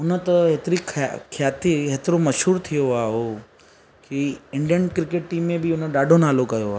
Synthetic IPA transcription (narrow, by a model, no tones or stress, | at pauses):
ʊnət̪ɐɦet̪ɾikʰkʰjaːt̪iɦet̪ɪɾomɐʃɦuːɾt̪ʰijoaːɦoː | kiɪ̃ɳɖijəɳʈkɾɪkeːʈʈĩːmːẽbɪʊnəɗaːɖʱonaːlokɐjoaː